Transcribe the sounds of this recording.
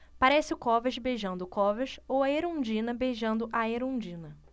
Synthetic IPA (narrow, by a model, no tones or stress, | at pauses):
paɾɛsɪʊkɔvɐʃbeʒɐ̃nd̪ʊkɔvɐʃowɐeɾõd͡ʒĩnɐbeʒɐ̃nd̪ʊʔɐeɾõd͡ʒĩnɐ